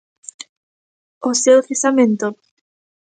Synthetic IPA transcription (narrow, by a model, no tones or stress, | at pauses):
osewθesamẽnt̪o